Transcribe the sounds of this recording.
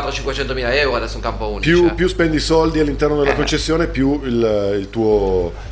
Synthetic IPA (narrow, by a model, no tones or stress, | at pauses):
t̪ːɾot͡ʃiŋkwet͡ʃɛnt̪omiːlaɛwɾoad̪ɛsːoiŋkampounipjupjuspɛnd̪isɔld̪ialːint̪ɛrnod̪elakont͡ʃesːjoːnepjuililt̪uːo